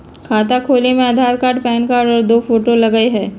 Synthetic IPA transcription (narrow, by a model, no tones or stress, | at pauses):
kʰaːt̪akʰoːlemẽɐd̪ʱaːɾkaːɖpɛːnkaːɾɖɔːɾd̪oːfoːʈolɐɡəeɦɛː